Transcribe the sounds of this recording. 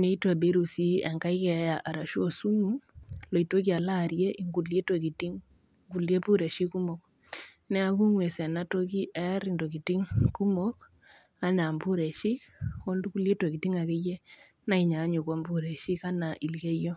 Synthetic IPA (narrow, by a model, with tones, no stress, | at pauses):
ne˦i˦twa˨be˦ɾu˨si˦a˨ŋka˦i˦kɛ˨˦ja˨ʔa˨ɾa˨ʃu˦o˨su˦mu˦lo˨i˨to˦ki˦a˨la˦ɾje˦ʔi˨ŋɡu˨le˦toki˨ti˦ŋ | ŋɡu˨lje˦pu˦ɾe˨ʃi˦ku˦mɔ˨k̚ | nɛ˦a˦ku˦ŋwe˨sɛ˨na˦to˦ki˦ʔɛ˦ɾi˨ndo˨ki˨ti˦ŋku˦mɔ˦k | a˦na˨mbu˦ɾe˨ʃi˦ko˦ndu˦ku˦le˦twɔ˨ki˨ti˦ŋa˨ke˦je˦ | na˦i˨ɲa˨˦ɲu˨kwa˦mbu˦ɾe˨ʃi˦ka˦na˨ʔi˨lɡe˦jo˦